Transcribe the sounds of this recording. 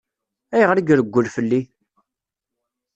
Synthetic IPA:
æjəʁɾiɡɾəɡʷːəlfəlːi

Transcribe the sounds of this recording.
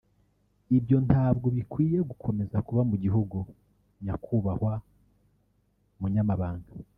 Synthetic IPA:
ibjo̞ntaːbɡoβikwiːje̞ɡukʰo̞me̞zakuβamuɟiɦuɡu | ɲakʰuːβahwa | umuɲamaβaːŋɡa

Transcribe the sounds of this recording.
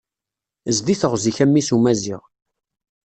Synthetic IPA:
zd̪iθəʁziçæmːisumæziʁ

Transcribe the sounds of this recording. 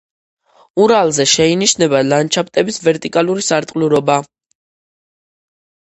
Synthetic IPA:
uɾalˠzɛʃɛiniʃnɛbalant͡ʃʰap̚ʰt̪ʼɛbisvɛɾt̪ʼikʼaluɾisaɾt̪ʼluɾɔba

